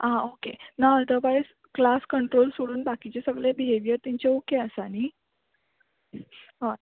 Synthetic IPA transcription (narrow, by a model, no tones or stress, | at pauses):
ãokenaəlt̪əɾbajs | klaskəɳʈɾolsoɽuːnbakit͡ɕesəɡɭebiɦeʋijəɾt̪iɲt͡ɕeukeəsani | ɦa